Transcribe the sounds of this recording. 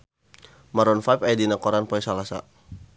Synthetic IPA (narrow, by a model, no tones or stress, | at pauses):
maɾɔnfajpajadinakɔɾanpɔɛsalasa̰